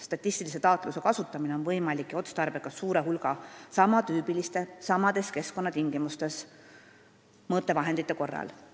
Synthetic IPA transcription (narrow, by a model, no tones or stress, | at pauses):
st̪ɑt̪ʲˑːist̪ilise̞t̪ɑːt̪ˑluse̞kɑsut̪ːˑɑmine̞o̞nvɤjmɑlikːˑjo̞t̪st̪ɑrb̥ekɑssuːɾe̞ɦulɡɑsɑmɑt̪yːpilist̪e̞sɑmɑd̪̥e̞ske̞sko̞nːɑt̪iŋɡ̥imust̪e̞s | mɤt̪ˑːe̞vɑɦend̪it̪ːˑeko̞rːɑ̰l